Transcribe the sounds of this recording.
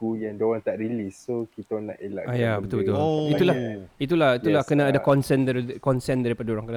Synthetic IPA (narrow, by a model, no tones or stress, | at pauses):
kujaŋdowant̪aʔɾilisːokit̪ana̰ʔela̰ʔajabət̪ʊlbət̪ulit̪ulait̪̬ulahit̪ulahkənaːdakɔnsɛndakɔnsɛndaɾipadaoɾaŋkəna